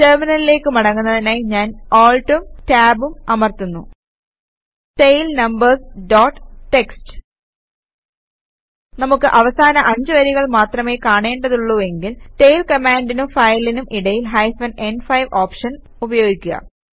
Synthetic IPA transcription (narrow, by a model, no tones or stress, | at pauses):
teːrminɐlile̞ːkːɨmɐɽɐŋːunːɐðinaːjɲaːnoːɭʈumtaːbumɐmɐrt̪unːu | ʈejlnɐmbɐrsɖoːʈːʈːe̞ksʈɨ̥ | nɐmukːɨʔɐʋɐsaːnɐʔɐɲd͡ʑɨʋɐɾiɣɐɭmaːt̪rɐme̞ːkaːɳe̞ːɳɖɐðuɭːue̞ŋɡilʈejlkɐmaːɳɖinumfɐjlinumʔiɽɐjilɦɐjfɐne̞nɖfɐjʋoːpʂɐn | ubɐjo̞ːɡikʲːuɣɐ̰